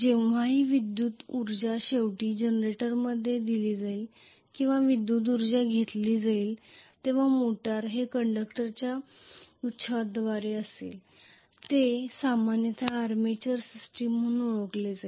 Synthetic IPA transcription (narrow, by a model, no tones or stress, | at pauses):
d͡ʑeʋʋ̤aɦiːʋid̪juːt̪uɾd͡ʑaɕeʋʈiːd͡ʑənɾeʈəɾməd̪ʱːjed̪iliːd͡zaiːl | kĩw̃ʋaʋid̪juːt̪̬uɾd͡zaɡʱet̪liːd͡zaiːlt̪eʋ̤amoʈaɾɦekəɳɖəkʈəɾt͡ɕja | ut̪ːɕəad̪ʋaɾeəsḛːl | t̪esamanjət̪ʰaːɾmet͡ɕəɾsisʈimːunoɭəkled͡zai